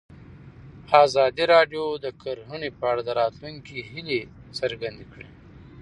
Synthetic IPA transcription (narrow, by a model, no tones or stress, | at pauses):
ɑːzɑːd̪iɾɑːɖjod̪əkaɾɦunipaɽad̪əɾɑːt̪luŋkiɦɪlisəɾɡand̪ikɽḛ